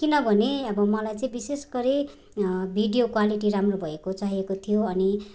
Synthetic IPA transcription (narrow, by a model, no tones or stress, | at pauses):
kinʌbʱʌneʌbʌmʌlajt͡sʌ̃ĩbisesɡʌɾi | bʱiɖijokwaliʈiɾamrobʱʌekot͡saɦiekot̪ʰijoʌni